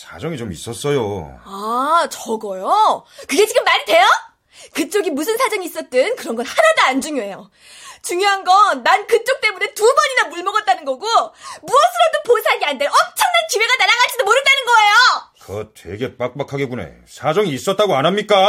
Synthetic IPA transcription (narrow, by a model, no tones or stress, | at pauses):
sʰad͡ʑʌŋit͡ɕomḭs͈ʌs͈ʌjo̰at͡ɕʌɡʌjokɯɡe̞t͡ɕiɡɯmːaɲidwe̞jo | kɯt͡ɕ͈oɡimus̬ʰɯnsʰad͡ʑʌŋiːs͈ʌt̚t͈ɯnkɯɾʌnɡʌnhaɾʌdaand͡ʑuŋjoe̞jo | t͡ɕuŋjoɦanɡʌnːankɯt͡ɕ͈ok̚t͈e̞mune̞tubʌɲinamuɭmʌɡʌt̚t͈anɯnɡʌɡomuʌns͈ʰɯɾʌp̚t͈oposʰaɭɡeandenʌmt͡ɕʰʌŋnankiweɡanaɾaɡaɭt͡ɕ͈idomoɾɯɭt͈anɯnɡʌe̞jokʌtʰwe̞̰ɡe̞p͈ak̚p͈akʰaɡeɡune̞̰ | sʰad͡ʑʌŋiːs͈ʌt͈aɡoanamɲik͈a